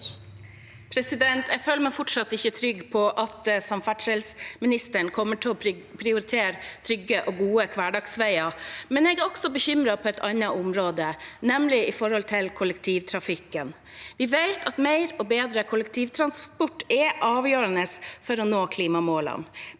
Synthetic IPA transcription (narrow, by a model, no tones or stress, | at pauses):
pʰɾɛsɪd̪ɛnt̪ʰɛføːləmɛfɔʈʂɑt̪ːɪçːət̪ʰɾʏɡːpʰɔʔɑt̪sɑmfæʈʂəlsmɪnɪst̪əɳkʰɔmːəʈʰɪlɔpʰɾɪʊɾɪt̪ʰeːɾt̪ʰɾʏɡəʔɔɡuːəkʰʋɑːɖɑɡsʋæɪɑmɛnɛɡæɾɔɡsɔbəçʏmɾɑpʰɔɛt̪ʰɑnːɑʔʊmɾoːd̪ənɛmlɪɪfɔɾhɔlt̪ʰɪlkʰʊlɛkt̪ʰiːʋt̪ʰɾɑfɪkːən | ʋɪʋeɪt̪ʰɑt̪meɪɾɔbeːd̪ɾəkʰʊlɛkt̪ʰiːʋt̪ʰɾɑnspɔʈːɛʔɑːʋjøːɾənəsfɔɾɔnoːkʰliːmɑmoːlɑ̰n